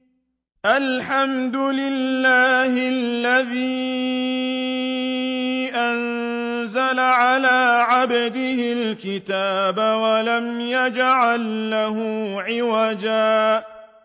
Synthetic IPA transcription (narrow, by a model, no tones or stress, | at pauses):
ʔalħamd̪ʊlɪlːaːhɪlːaðiː | ʔan | zalaʕalaːʕabd̪ɪhɪlkɪt̪aːbawalamjad͡ʒʕalːaɦʊʕɪwad͡ʒaː